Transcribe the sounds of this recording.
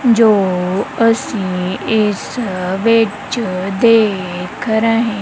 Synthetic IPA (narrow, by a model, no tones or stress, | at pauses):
d͡ʒoːəsĩɪsʋɪt͡ʃd̪eːkəɾãɦɛ̃